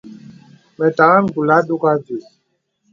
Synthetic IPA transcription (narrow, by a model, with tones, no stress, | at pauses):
mɛ˨ta˨ɣa˦n˦˨ɡu˨la˦ɗo˦ka˦d͡ʒi˨